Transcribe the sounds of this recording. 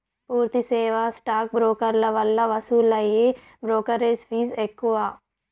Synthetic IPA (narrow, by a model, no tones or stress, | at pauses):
puːɾt̪iseːʋasʈaːk̚bɾoːkɐɾlɐʋɐlːɐʋɐsuːlɐje | bɾoːkɐɾespʰiːzekːua